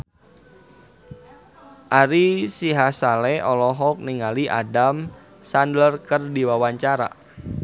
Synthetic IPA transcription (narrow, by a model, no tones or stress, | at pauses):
ʔaɾisiɦasalɛʔɔlɔɦɔk̚niŋaliʔa̰dam | sandərkərdiwawaɲt͡ʃaɾa̰